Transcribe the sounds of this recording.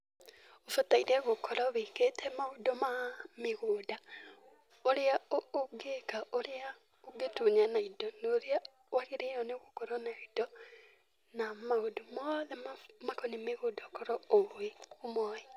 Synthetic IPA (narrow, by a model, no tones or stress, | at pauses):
ofotaiɾɛɣokɔɾaβeketʰɛmaodɔmameɣoːda | oɾeaooɡekaʔoɾea | oɡetuneanaidɔnoɾea | waɣeɾeɔneɣokɔɾɔnaidɔ | namaodomɔðɛmamakonemeɣodakɔɾɔoeomɔe